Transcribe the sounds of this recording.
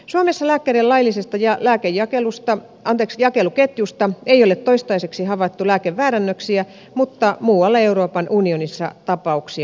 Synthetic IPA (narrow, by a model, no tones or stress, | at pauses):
suomesːɑlæːkːærillɑilːˑisest̪ɑjɑlæːkejjɑkelust̪ɑ | ɑnt̪eksjɑkeluket̪just̪ɑeijolet̪t̪ːoist̪ɑiseksihɑʋɑt̪ːulæːkeʋːæːɾænːøksiæ | mut̪ːɑmuːwɑlːɑeuroːpɑnʔunionisːɑ̰t̪ɑpɑuksiɑ